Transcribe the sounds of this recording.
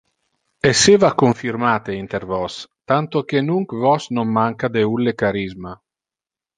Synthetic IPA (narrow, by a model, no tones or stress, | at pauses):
esːeːvakoɱfirmaːt̪eint̪ervɔst̪ant̪ok̟enuŋkvɔsnomːaŋkad̪eulːekaɾizma